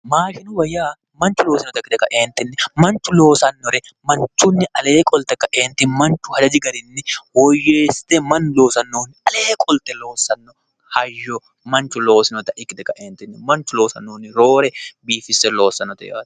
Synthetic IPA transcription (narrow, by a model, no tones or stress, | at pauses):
maːʃɪnʊwɐjːaː | mɐnt͡ʃʊloːsɪnɔt̪ɐkːɪd̪ɛkɐʔeːnt̪ɪnːɛmɐnt͡ʃːʊlo̞ːsɐnːɔɾɛ | mɐnt͡ʃːʊnːɪʔɐleːkʼɔlt̪ɛkɐʔeːnt̪ɪnmɐnt͡ʃʊhɐd̪ɐd͡ʒɪɡɐɾɪnːɪwɔjːeːst̪ɛmɐnloːsɐnːoːnːɪʔɐleːkʼɔlt̪ɛloːsɐnːɔ | hɐjːɔ | mɐnt͡ʃʊloːsɪnɔt̪ɐʔɪkːɪd̪ɛkɐʔeːnt̪ɪnːɛmɐnt͡ʃʊloːsɐnːoːnːɪɾoːɾɛbiːfɪsɛloːsɐnːɔt̪ɛ̰ja̰ːt̪